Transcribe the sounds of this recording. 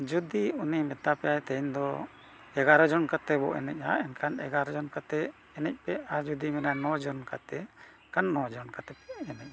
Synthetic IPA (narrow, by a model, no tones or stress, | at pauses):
d͡ʒud̪iunimɛt̪apɛajt̪ɛjnd̪ɔ | ɛɡaɾɔd͡ʒɔnkat̪ɛbɔ̰ʔɛnɛcaɛnkʰanɛɡaɾɔd͡ʒɔnkat̪ɛ | ɛnɛc̚pɛaɾd͡ʒud̪imɛnanɔd͡ʒɔnka̰t̪ɛ | kanːɔd͡ʒɔnkat̪ɛpɛɛnɛc̚a